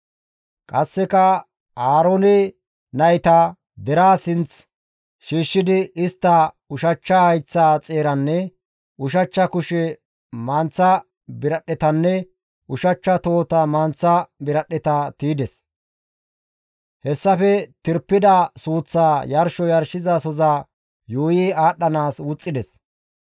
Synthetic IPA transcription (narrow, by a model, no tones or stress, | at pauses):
kʼɐsːɛkɐ | aːɾonɛ | nɐjt̪a | d̪ɛɾaːsɪnt͡s | ʃiːʃːɪd̪ɪɪst̪ːɐ | ʊʃɐt͡ʃːɐhɐjt͡sːaːt͡sʼe̞ːɾɐnːɛ | ʊʃ̬ɐt͡ʃːɐkʊʃɛ | mɐnt͡sːɐ | bɪɾɐɗːɛt̪ɐnːɛ | ʔʊʃɐt͡ʃːɐt̪o̞ːt̪ɐmɐnt͡sːɐbɪɾɐɗɛt̪ɐt̪iːd̪ɛs | hɛsːɐfɛt̪ɪɾpːɪd̪ɐsuːt͡sːaːjɐɾʃɔjɐɾʃɪzɐsɔzaː | joːjiaːɗːɐnaːswʊt͡sʼːɪd̪ɛs